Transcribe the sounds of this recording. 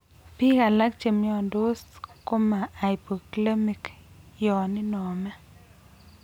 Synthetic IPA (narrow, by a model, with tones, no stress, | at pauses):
pi˦ka˨la˦k̚t͡ʃe˨mjɔ˨ndo˦sko˦maː˨jpo˨kle˦mi˨kjɔ˨nɪ˦nɔ˨mɛ˦